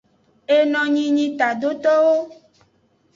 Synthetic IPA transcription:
e˦nɔ̃˨ɲĩ˦ɲĩ˦t̪a˨ɖo˦t̪ɔ˦wo˦

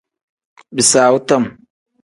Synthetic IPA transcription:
bi˨saː˨wu˦tɐ˦˨m

